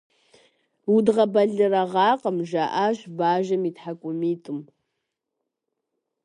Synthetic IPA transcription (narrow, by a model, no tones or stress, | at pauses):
wudʁɐbɐɮɨrɐʁɑːqʼəmʒaʔaʃbaːʒɐmitħakʷʼʊmiːtʼɨm